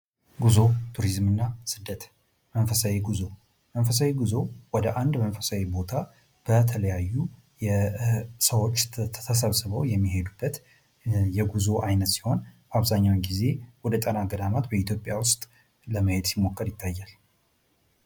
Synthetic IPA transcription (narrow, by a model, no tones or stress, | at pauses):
ɡuzo̞t̪ʰuɾizmɨnːasɨd̪ːət̪ | mənfəsaweɡuzo̞ | mənfəsawiɡuzo̞wɔd̪əʔand̪mənfəsawebo̞t̪ʰa | b̥ət̪ʰələjajːu | jɛ | səwot͡ʃːʰəsəβsɨβəwjɛmːihe̞d̪ubːət̪ | jɛɡuzo̞ʔajnət̪si̥ho̞nbaβzaɲːawɲɡize̞wɔd̪ət̪ʼənaɡəd̪amat̪bəit̪ʰjo̞pʼjawʊst̪ʼ | ləməhe̞d̪simːo̞kːəɾjɪt̪ʰːajːal